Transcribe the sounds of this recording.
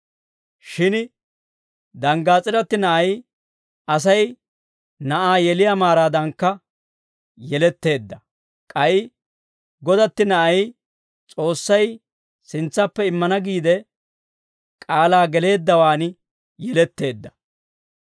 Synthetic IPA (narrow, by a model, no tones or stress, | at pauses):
ʃɪn | d̪ɐŋɡaːt͡sʼɪɾɐt̪ːɪnɐʔɐj | ɐs̬ɐj | nɐʔaːjɛlɪjamaːɾaːd̪ɐŋkːɐ | jɛlɛt̪ːe̞ːd̪ːɐ | kʼɐɪ | ɡɔd̪ɐt̪ːɪnɐʔɐj | t͡sʼo̞ːsːɐj | sɪnt͡sːɐpːɛɪmːɐnɐɡiːd̪ɛ | kʼaːlaːɡɛle̞ːd̪ːɐwaːn | jɛlɛt̪ːe̞ːd̪ːɐ̥